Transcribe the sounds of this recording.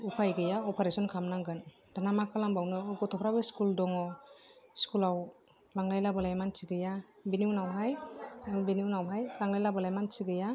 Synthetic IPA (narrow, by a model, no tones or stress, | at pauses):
upʰajɡɯjaɔpʰaɾesɔnkʰamnaŋɡɯn | d̥anamakʰalambawnɯɡɔtʰɔpʰɾabɯskuldɔŋɔ | skulaw | laŋlajlabalajmansʰiɡɯja | biniwnawɦajbiniwnawɦajlaŋlajlabalajmansiɡɯja